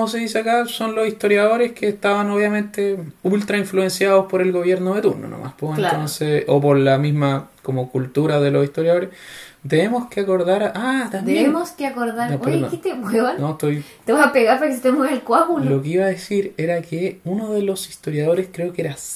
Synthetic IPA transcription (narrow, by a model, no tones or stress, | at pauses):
komos̬e̞ðis̬eakaso̞nlo̞siht̪o̞ɾjaðo̞ɾeskeːht̪aβanoβjamẽ̞nt̪eult̪ɾaiɱflue̞nsjaðospoɾe̞lɣo̞βje̞ɾnoðe̞t̪uɾno̰no̰mʔa̰spoent̪onseopoɾlamizmakomokult̪uɾaðelosiht̪o̞ɾjaðo̞ɾes | t̪enemoskeako̞ɾðaɾat̪ambemoskeakoɾðaɾnoɾket̪epweβannot̪ojt̪eβasapeɣaɾpaɾkesit̪eemoselkwaɣulllokeiβaðesiɾeɾakeunoðelo̞sist̪o̞ɾjaðo̞ɾeskɾe̞okeɾas